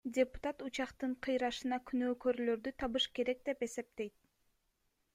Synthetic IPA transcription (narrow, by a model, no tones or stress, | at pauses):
dʲe̞pu̥t̪at̪ut͡ʃɑqt̪ɯɴqʰɯjɾɑʃɯnɑkʰynøːkøɾylø̞ɾd̪yt̪ʰɑβɯʃke̞ɾe̞k̚d̪e̞pe̞se̞p̚t̪e̞jt̪̚